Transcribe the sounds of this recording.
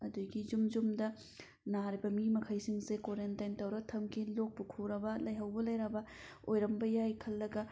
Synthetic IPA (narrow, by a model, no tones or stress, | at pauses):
ɐduɡizumd͡ʒumdɐ | naɾibɐmimɐkʰɐjsiŋsekoɾentajntɐwɾɐɡtʰɐmkʰilok̚pukʰuɾɐbɐlɐjɦɐwbɐlɐjɾɐbɐ | ojɾɐmbɐjajkʰɐlːɐɡɐ